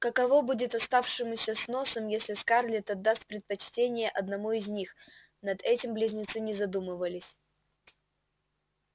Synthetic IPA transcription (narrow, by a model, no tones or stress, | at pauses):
kəkɐvobudʲɪt̪ɐst̪afʂɨmsʲəsno̞səmjesʲlʲɪskarlʲɪt̪ɐd̪ːast̪̚pɾʲɪt̪̚pɐt͡ɕtʲenʲɪjəʔɐd̪nɐmuɪzʲnʲix | nɐd̪ɛtʲɪmblʲɪzʲnʲɪt̪sɨnʲɪzɐd̪umɨvəlʲɪsʲ